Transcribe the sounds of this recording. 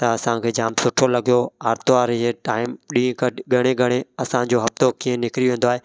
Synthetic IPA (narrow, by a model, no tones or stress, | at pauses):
t̪ɐɐsãkʰeːd͡ʑaːmsʊʈʰolɐɡijoaːɾt̪oaːɾɪɦeʈaːɪmɗĩːkɐɡʱɐɽ̃eɡʱɐɽ̃eɐsãd͡ʑoɦɐft̪okiːə̃nɪkɾiʋẽːn̆d̪oaːɦeː